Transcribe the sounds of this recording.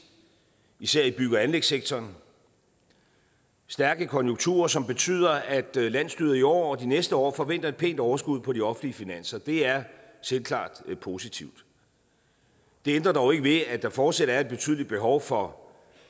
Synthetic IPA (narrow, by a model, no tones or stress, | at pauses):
isæɐ̰ib̥yɡ̥ɐænleɡ̥seɡ̥̚t͡sʰɒːn | sd̥æɐɡ̥əkʰɒ̽njoŋt͡sʰṵːɐsɒ̽mb̥e̝t͡sʰy̰ːð̞ˠɐæd̥læn̰sd̥yːðˠɐiɒ̰ːɒ̽d̥inesd̥əɒ̰ːfɒ̽ʋen̰d̥ɐe̝d̚pʰe̝̰ːnd̥ɒʊɐsɡ̥uð̞̰ˠpʰɒ̽diɒ̽fn̩liəfinæn̰sɐd̥e̝æɐ | selkʰlɑ̰̈ːd̥pʰo̝sit͡sʰiʊ̰d̥ | d̥e̝end̥ʁɐd̥ɑoʊe̝ɡ̥əʋe̝æd̥ɑ̈fɒːd̥seɾɐæɐed̚b̥e̝t͡sʰy̰ð̰ˠlid̥̚b̥e̝ɦɒʊfɒ̽